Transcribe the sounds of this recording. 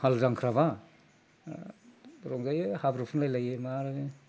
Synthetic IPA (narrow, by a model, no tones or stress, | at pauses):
halzaŋkʰɾaβa | ɾɔŋzajehabɾɯpʰɯnlajlajemaɾ